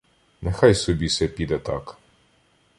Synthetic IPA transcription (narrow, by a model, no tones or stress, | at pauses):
nɛxɑjsɔbʲisɛpʲid̪ɐt̪ɑk